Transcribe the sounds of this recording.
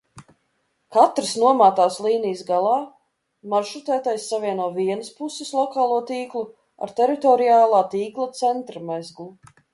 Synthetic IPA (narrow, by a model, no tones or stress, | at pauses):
kat̪ɾɨsnuɔmaːt̪aːslˠiːnijəsɡalˠɑː | maʃɾut̪æːt̪ajsːavʲiɛnuɔviɛnəspusɪslˠɔkaːlˠuɔt̪iːklˠu | a̰ɾt̪ɛɾit̪ɔɾijaːlˠaːt̪iːklˠat̪sɛnt̪ɾamɛzɡlˠu